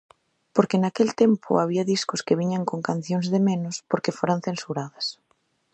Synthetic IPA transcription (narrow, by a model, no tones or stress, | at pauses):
poɾkenakelt̪empʰʊ̰aβ̞iaðiskʊskeβiɲaŋkoŋkan̟θjoŋzðemẽnʊspoɾkefoɾan̟θensuɾaðɐs